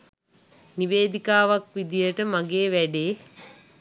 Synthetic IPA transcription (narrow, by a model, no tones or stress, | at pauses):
niʋeːd̪ikaːʋakʋid̪ijəʈəmaɡeːʋæɖeː